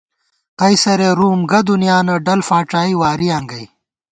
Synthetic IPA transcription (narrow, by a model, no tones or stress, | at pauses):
qɐjsɐɾeɾuːmɡɐd̪unijaːnɐɖɐlfaːʈaːiwaːɾiɐŋɡɐj